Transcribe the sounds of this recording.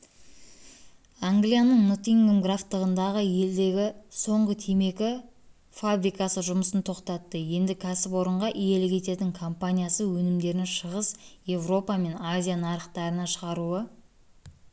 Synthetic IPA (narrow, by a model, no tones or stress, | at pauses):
aŋɡlijanəɴnut̪iŋɡomɡraft̪ːəʁənd̪ɑʁəje̞ld̪e̞ɡʲɪso̞ɴʁət̪ʰeme̞kʲɪ | fabɾijkɑsəʒʊməsənt̪ʰo̞qt̪ɑt̪ːəje̞nd̪ɪkʲʰæsɪpwo̞ɾəɴʁɑʔije̞lɪkʲʰe̞t̪e̞t̪ɪŋkʰompanʲijasəwɵnɪmd̪e̞ɾɪnʃəʁəsje̞vro̞pɑme̞nazʲijanɑɾəqt̪ɑɾənɑʃəʁɑɾuə